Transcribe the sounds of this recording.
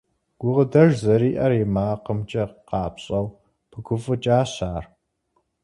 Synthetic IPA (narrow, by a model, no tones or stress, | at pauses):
ɡ̥ʷʊʁədɐʒzɐɾiːʔɐrimaːqəmt͡ʃʼɐqɑːpɕʼɐw | pʰɨɡʷʊfɨt͡ʃʼaːɕaːr